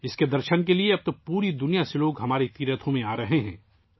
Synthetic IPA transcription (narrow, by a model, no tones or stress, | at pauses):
ɪsked̪ɐɾʃənk̬elieɐb̚t̪opuːɾid̪ʊnijaseloːɡɦɐmaːɾet̪iːɾət̪ʰõmẽaːɾɐɦeɦɛ̰̃ː